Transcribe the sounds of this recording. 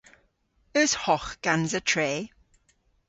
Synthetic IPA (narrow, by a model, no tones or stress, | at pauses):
əshɔχɡ̥anzətʰɹeː